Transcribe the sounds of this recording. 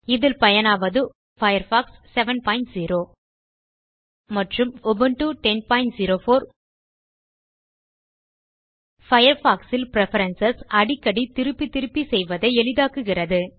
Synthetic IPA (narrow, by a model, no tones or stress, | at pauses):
ɪðɪlpɐjɐnaːʋɐðɯ | fɐjɐɾfaːksːɛʋɐnpaːɪnʈziːɾoː | mɐʈrɯmɔːbɐnʈuʈɛnpaːɪnʈziːɾoːfoːɾ | fɐjɐɾfaːksɪlpɪɾɛfɐɾɐnsɐsɐɽɪkːɐɽit̪ɪɾɯpːit̪ɪɾɯpːisɛjʋɐðɐɪɛɭɪðaːkɯɣɪrɐðɯ